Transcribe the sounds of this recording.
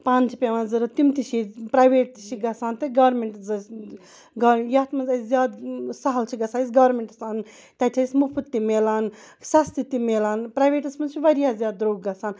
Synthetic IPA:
paːnt͡ʃʰipʲeʋãːnzɐɾɐt̪imt̪iʃipɾajʋeːʈ̚t̪i̥ʃiɡɐsaːnt̪ɐɡɐːɾmeɳʈzɐs | ɡɐjaːt̪mɐnzɐjszjaːd̪sɐɦɐlt͡ʃʰiɡɐsaːis̬ɡɐːɾmeɳʈɐsaːn | t̪ɐtʲʰɐismupʰut̪ːimeːlaːn | sɐst̪it̪imeːlaːnpɾajʋeːʈɐsmɐnt͡ʃʰiʋɐɾijaːzjaːd̪̚ɾoːɡɡɐsaːn

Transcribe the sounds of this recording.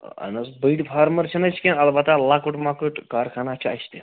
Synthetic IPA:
a̰nəsbəjʈfʰaɾməɾt͡ɕʰinajt͡ʃʰkʲẽnalbat̪alakəʈmakəʈkaɾkʰanat͡ɕʰaa̰ɕt̪e

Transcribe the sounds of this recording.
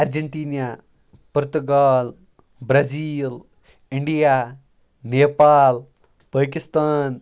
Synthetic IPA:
ɐɾd͡ʒɐɳʈiːnja | pʊɾt̪uɡaːl | bɾɐziːl | ɪɳɖijaː | neːpaːl | pəːkist̪aːn

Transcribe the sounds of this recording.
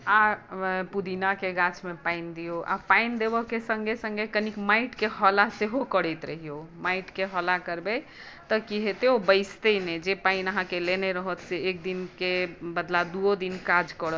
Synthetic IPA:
apud̪inakeɡãt͡ʃʰmepaind̪ijoʔa̰paind̪ebəkesəŋɡesə̃ŋɡekənikmaiʈkeɦəlaseɦokəɽɛjt̪ɾəɦijomaiʈkeɦəlakəɾbe | t̪əkiɦet̪eobəɪst̪ened͡ʒepainəɦãkeleneɾəɦət̪seːk̚d̪inkebəd̪lad̪uod̪inkad͡ʒkəɽət̪

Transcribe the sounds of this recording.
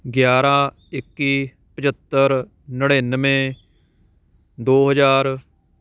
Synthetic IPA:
ɡjaːɾãː | ɪkːiː | pət͡ʃət̪ːəɾ | nəɽeːnəʋẽː | d̪oːɦəd͡ʒaːɾ

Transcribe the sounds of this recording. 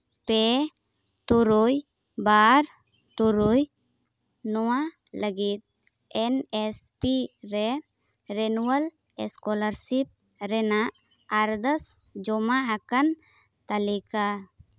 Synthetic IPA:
pɛ | t̪uɾuj | baɾ | t̪uɾuj | nɔwa | ləɡit̪̚ | ɛnɛspiɾɛ | ɾɛnuwəl | ɛskɔləɾsip̚ɾɛnaʔ | aɾd̪əsd͡ʒɔmaakan | t̪alika

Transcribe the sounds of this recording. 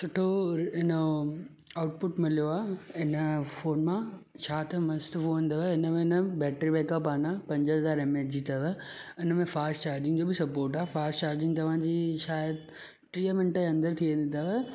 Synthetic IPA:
sʊʈʰoɪnə | aːʊʈ̚pʊʈmɪlijoaːɪnəfoːnmã | t͡ɕʰaːt̪ɐmɐst̪foʋə̃nd̪əʋəɪnəmẽɪnəbɛːʈɾibeːkəpaːnapɐ̃ɲd͡ʑəɦɐzaːɾemeːd͡ʑit̪ʰɐʋəɪnəmẽfaːsʈt͡ɕaːɾd͡ʑɪ̃ŋɡd͡ʑoːbɪsɐpoːɾʈaːefaːɾst͡ɕaːɾd͡ʑɪ̃ŋɡt̪ɐʋ̤ãd͡ʑiːʃaːjəd̪ | ʈɾiːəmɪ̃nʈəɐ̃nd̪əɾt̪ʰiʋẽːn̆d̪it̪ʰɐʋə

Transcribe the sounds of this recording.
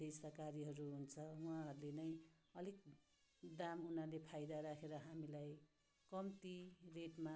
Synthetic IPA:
ejsʌkaɾiɦʌɾuɦunt͡sʰʌuãɦʌɾulenʌj̃ | ʌlik̚ | d̪amunalepʰajd̪aɾakʰeɾʌɦamilaj | kʌmt̪ireʈma

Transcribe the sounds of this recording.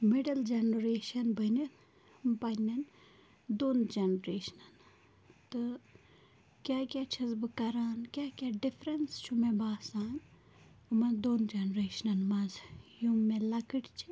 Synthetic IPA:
miɖɐld͡ʒɐnɾeːʃɐnbʱɐni | pɐnʲɐn | d̪oːnd͡ʒɐnɾeːʃnɐn | t̪ɨ | kʲjaːkʲjaːt͡ʃʰɐzbɨkɐɾaːnkʲjaːkʲaɖipʰɾɐnst͡ʃʰumebaːsaːn | ɨmɐnd̪oːnd͡ʒɐnɾeːʃɐnɐnmazjumːẽlɐkɨʈʰt͡ʃʰi

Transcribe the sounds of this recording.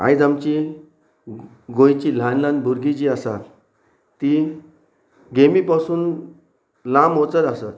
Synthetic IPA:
a̰jd͡zamt͡ɕi | ɡojt͡ɕil̤ãnlanbʱuɾɡid͡ʑiasa | t̪i | ɡemipasuːn | lãmot͡səɾasat̪

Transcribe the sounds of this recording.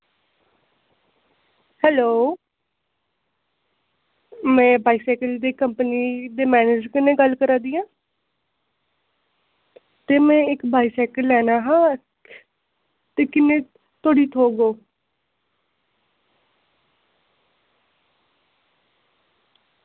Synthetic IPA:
hɛːloː | mɛ̃ːbaːiːsɛːkəld̪eːkəmpniːd̪eːmɛːned͡ʒkɪnẽːɡəlkəɾãːd̪iːãː | t̪eːmɛ̃ːɪkbaːiːsɛːkəlːɛːnaːɦãː | t̪eːkɪnẽː | t̪oːɽiːt̪ʰoːɡoː

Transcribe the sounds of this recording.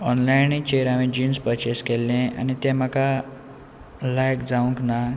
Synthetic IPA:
ɔnlajnit͡ɕeɾamĩd͡ʑiːnspəɾt͡ɕeskelːẽa̰nit̪ɛ̃m̤aka | lajkd͡zaʋũŋkna

